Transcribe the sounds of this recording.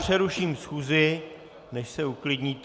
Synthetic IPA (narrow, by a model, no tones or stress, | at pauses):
r̥ɛɾuʃiːmsxuːzɪ | nɛʃsɛuklɪdɲiːt̪